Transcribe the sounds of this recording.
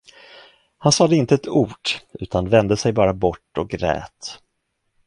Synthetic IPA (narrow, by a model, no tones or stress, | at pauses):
hansɑːd̪ɛɪnt̪əɛt̪ʰuːɖʉ̟ːt̪ʰanvɛnd̪əsɛjbɑːɾabɔʈːɔk̚ɡɾɛ̰ːt̪